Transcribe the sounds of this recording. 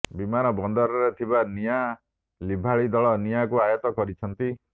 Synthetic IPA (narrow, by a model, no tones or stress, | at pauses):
bimanɔbɔnd̪ɔɾɔɾet̪ʰibanija | libʱaɭid̪ɔɭɔnijakuajɔt̪ɔkɔɾit͡ʃʰɔnt̪i